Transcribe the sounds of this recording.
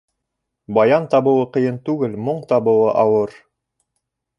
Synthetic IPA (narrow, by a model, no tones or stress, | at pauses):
bɑjɑnt̪ɑβɤ̆wˠɤqɤ̆jɤnt̪ʉɡɘlmoɴt̪ɑβɤ̆wɤʔɑwɤɾ